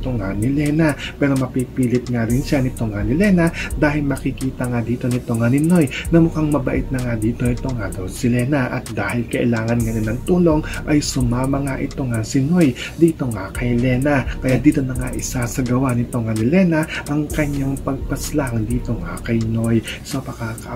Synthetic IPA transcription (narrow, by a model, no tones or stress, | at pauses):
t̪oŋanɪlɛnɐpɛːɾomɐpipiːlɪt̪̚ŋaɾɪnʃanɪt̪oŋanɪlɛnɐd̪aːɦɪlmɐkɪkiːt̪ɐŋad̪iːt̪o̞nɪt̪o̞ŋanɪno̞jnɐmʊkaŋmɐbɐʔɪt̪̚nɐŋad̪iːt̪o̞ɪt̪o̞ŋad̪owsɪlɛnɐʔɐt̪̚d̪aːhɪlkɐʔɪlaːŋɐnŋɐnɪnɐŋt̪uːlo̞ŋ | ʔɐjsʊmaːmɐŋaʔɪt̪o̞ŋasɪno̞j | d̪iːt̪o̞ŋakɐjlɛːnɐkɐjad̪iːt̪o̞nɐŋaʔɪsasɐɡɐwanɪt̪o̞ŋɐnɪlɛnɐʔɐŋkɐɲaŋpɐɡ̚pɐslaŋd̪iːt̪o̞ŋa̰kɐjno̞jso̞pɐkaːkɐʔ